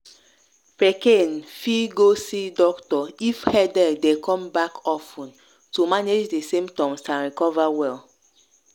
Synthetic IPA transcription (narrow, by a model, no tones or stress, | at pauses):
pekenfiɡosidɔktɔifhɛdɛdekʰɔ̃mbakʰɔfũn | tumaned͡ʒdesẽmtɔ̃msãnɹikɔvawɛl